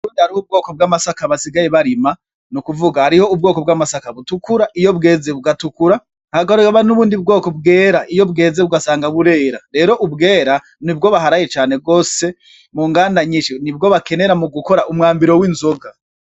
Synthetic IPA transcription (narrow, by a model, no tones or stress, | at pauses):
uβuːndihaɾihoub̚ɡo̞ːko̞b̚ɡaːmasakaβasiɡajeβaɾima | nukuvuɡahaɾiho̞ubɡo̞ːkobɡamasakaβutukuɾaʔijo̞bɡe̞ːzeβuɡatukuɾa | haɡaɾeaβanuβuːndib̚ɡo̞ːkobɡe̞ːɾaʔijo̞bɡe̞ːze̞βuɡasaːŋɡaβuɾe̞ːɾaɾe̞ːɾo̞ʔubɡe̞ːɾa | nibɡo̞βaɦaɾajet͡ʃaːne̞ɡo̞ːse̞ | muŋɡaːnaɲiʃenibɡo̞βake̞ne̞ɾamuɡuko̞ɾaʔumŋaːmbiɾo̞wiːnzo̞ɡa